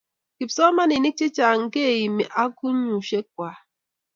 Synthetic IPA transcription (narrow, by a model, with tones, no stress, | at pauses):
ki˨psɔ˦ma˦ni˨ni˦k̚t͡ʃi˦t͡ʃa˨ŋ̩˨ke˦e˨ji˨me˨ʔa˦ku˦ɲu˨ʃe˦k̚ʷa˨